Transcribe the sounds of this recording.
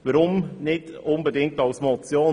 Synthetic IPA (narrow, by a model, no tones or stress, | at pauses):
ʋəɾʊmnɪd̥ | ʊnbədɪŋk̚tɑwsmɔt͡sjoː